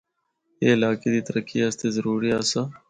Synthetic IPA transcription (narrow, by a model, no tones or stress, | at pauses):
jeːɪlaːked̪iːt̪əɾəkiːast̪eːzəɾuːɾiaːsa